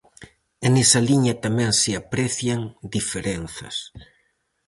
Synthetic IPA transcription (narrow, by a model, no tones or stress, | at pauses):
enesɐliɲɐt̪amɛ̃ŋseapɾeθjaŋd̪ifeɾen̟θɐ̰s